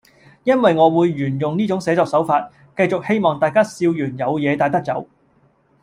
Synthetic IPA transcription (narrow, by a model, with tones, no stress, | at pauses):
jɐ˥nwɐ˨jŋɔː˨˧wuː˨˧jːyː˨˩njʊ˨ŋniː˥t͡sʊ˨˥ŋsɛː˨˧t͡sɔː˧k̚sɐ˨˥wfaː˧t̚ | kɐ˧jt͡sʊ˨k̚he˥jmɔː˨˩ŋt̪aː˨˧jkaː˥siː˧wjyː˨˩njɐ˨˧wjɛː˨˧t̪aː˨˧jt̪ɐ˥k̚t͡sɐ̰˨˥w